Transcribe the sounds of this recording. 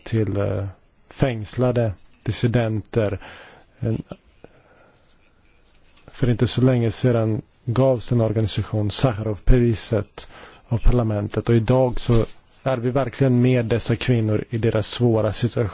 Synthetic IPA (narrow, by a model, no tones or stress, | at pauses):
t̪ʰɪl | fɛŋslad̪əd̪̥ɪsɪd̪ɛnt̪əɾ | fœɾɪnt̪əsɔlɛŋːəseːd̪an | ɡɑːvsɛnɔɾɡanɪsaɧuːnsaxaɾɔvpʰɾɛviːsət̪ | avpʰaɭamɛnt̪ʰət̪ɔɪd̪ɑːɡsɔ | æɾvɪvæɾkʰlɪɡənmeːd̪ɛsːakʰvɪnːʊɾɪd̪eːɾasːvoːɾasɪt̪ɵa